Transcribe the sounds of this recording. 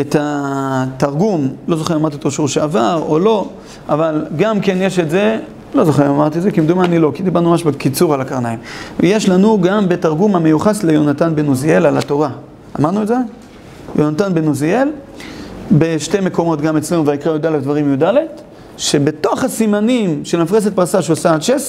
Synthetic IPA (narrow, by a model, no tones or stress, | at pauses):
etataʁɡumlo̞zoχeamaʁt̪̬iot̪oʃuʁʃeavaʁolo̞ | ʔavalɡamke̞njeʃetze̞ | lo̞zoχeʁamaʁt̪izekimd̪umanilo̞kid̪ibaʁnumaʃbekit͡suʁalakaʁnaimjeʃlanuɡambe̞taʁɡumamejuχaslejonatanbenuzielalato̞ʁa | amaʁnueze̞ | jo̞natanbenuziel | be̞ʃte̞me̞ko̞mo̞tɡamet͡sle̞nuvaikʁajud̪alefd̪vaʁimjudalet | ʃe̞be̞to̞χasimanimʃelmafʁes̬et̪̚paʁsaʃeosaʃes